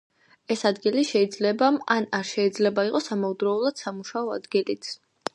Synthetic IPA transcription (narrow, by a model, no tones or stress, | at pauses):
ɛsad̪ɡiliʃɛid̪zlɛbamanaɾʃɛid̪zlɛbaiqʼɔsamaud̪ɾɔulˠad̪̥samuʃaɔa̰d̪ɡilit̪s